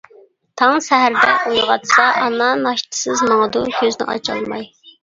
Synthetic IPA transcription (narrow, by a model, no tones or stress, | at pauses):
t̪ʰɑŋsɛɦæɾd̪ɛ̰ujʁɑt̪sɑʔɑnːɑnɑʃt̪ʰɨ̥sɨzmɑŋəd̪ukʲʰøznɪ̰ʔɑ̰t͡ʃʰɑ̰lˠmɑ̰j